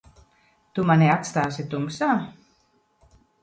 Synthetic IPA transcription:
t̪umaneat̪st̪aːs̬et̪umsa

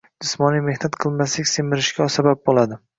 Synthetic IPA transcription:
d͡ʒɪsmɒnime̞hnat̪qʰɨlˠmaslɪkʲsemɪɾɪʃkʲasabap̚bolˠad̪ɪ

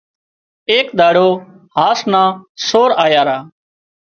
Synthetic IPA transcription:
eːkɗ̪aːɽoː | ɦaːsnãːsoːɾaːjaːɾaː

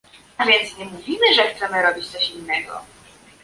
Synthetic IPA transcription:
avʲjɛnt̪sɲɛmuvʲimɘʐɛxt̪sɛmɘɾɔbʲit͡ɕt̪sɔɕinːɛɡɔ̰

